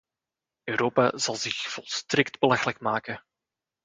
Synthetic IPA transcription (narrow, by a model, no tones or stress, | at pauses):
øːɾoːpaz̥ɑlˠzɪxv̥ɔlˠstrɪktbəlɑxəlɛkmaːkə